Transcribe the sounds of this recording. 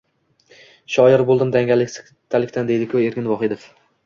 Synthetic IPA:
ʃɒjɪɾbolˠd̪ɪmd̪aŋʲal | t̪ʰːalɪkʲt̪and̪ejd̪ɪkʰɵe̞ɾkʲɪnvɒχɪd̪ef

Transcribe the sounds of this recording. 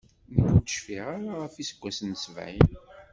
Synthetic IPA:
nəɡud̪əʃfiʁaɾaʁəfisə̥ɡʷːæsnsəvʕḭn

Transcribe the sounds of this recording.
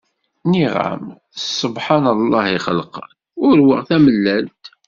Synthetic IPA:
niʁa̰m | sˤːəbħanəlˤːɑhiχəlqən | ʊɾwəʁθæməlːælt̪

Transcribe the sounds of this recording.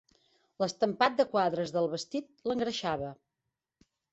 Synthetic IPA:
ləst̪əmpat̪̚d̪əkwaðɾəzðəlˠβəst̪it̪̚ləŋɡɾəʃaβə

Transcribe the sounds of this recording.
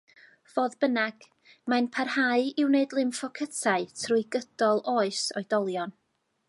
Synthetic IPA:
voːðbənaɡ̥ | manpʰarhaɨɪwneɨdlˠɪmfɔkʰətʰaɨtʰrujɡəd̥ɔlˠoːɨsɔɨd̥ɔlˠjɔn

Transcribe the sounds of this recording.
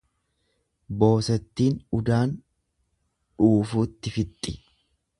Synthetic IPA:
bo̞ːsɛt̪ːiːnʊd̪aːn | ᶑuːfuːt̪ːɪfɪt̪ʼːɪ

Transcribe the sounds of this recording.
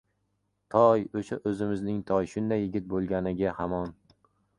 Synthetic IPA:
t̪ʰɒjoʃaʔɵzɪmɪznɪŋt̪ʰɒjʃʊnd̪ajːɪɡʲɪt̪̚bolˠɡʲanɪɡʲahamɒn

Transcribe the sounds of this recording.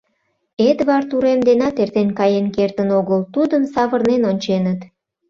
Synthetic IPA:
et̪βɑrt̪uɾemd̪enɑt̪ert̪enkɑjenkert̪ənoɣəlt̪ud̪əmsɑβərnenonʲt͡ɕenət̪

